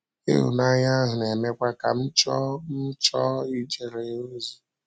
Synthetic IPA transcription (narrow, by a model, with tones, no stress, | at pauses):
ḛ˦ɦṵ˨na˦ɲa˦ɦʊ˨ne˨me˦kʷa˦ka˨m̩˦t͡ʃɔ˦m̩˦t͡ʃɔ˦i˦d͡ʒe˨ɾe˨o˦zi˨